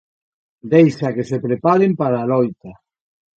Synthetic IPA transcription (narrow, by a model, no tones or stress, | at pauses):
d̪ejsakesepɾepaɾempaɾaːlojt̪a